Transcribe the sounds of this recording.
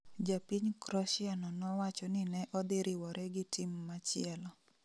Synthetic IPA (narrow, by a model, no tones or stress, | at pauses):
d͡ʒapiɲkɾɔʃɪanɔnɔwat͡ʃɔnɪnɛʔɔd̪ɪɾʔɪwɔɾʔɛɡɪtʰimːat͡ʃɪɛlɔ